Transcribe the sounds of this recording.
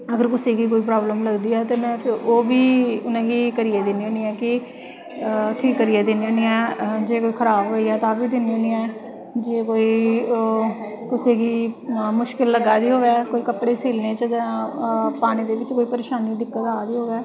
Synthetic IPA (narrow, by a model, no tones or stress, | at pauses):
əɡəɾkʊseːɡiːk̬oːiːp̬ɾaːbləmləɡd̪iːɛːt̪eːmɛ̃ːpʰɪɾoːbiːʊnẽːɡiːkəɾiːɛːd̪eːniːõːniːɛ̃ːkɪ | ʈʰiːkːəɾiːɛːd̪eniːoːniɛːd͡ʒeːkoːiːkʰəɾaːbɦoːiːɛːt̪aːbiːd̪enioːniːɛː | d͡ʒeːkoːiː | kʊseːɡiːmʊʃkɪlːəɡaːd̪iːɦoːɡɛːkoːiːkəpɽeːseːlneːt͡ʃəd̪a | paːñiːd̪eːʋɪt͡ʃkoːiːpəɾeːʃaːniːd̪ɪkːət̪aːd̪iːɦoːɡɛː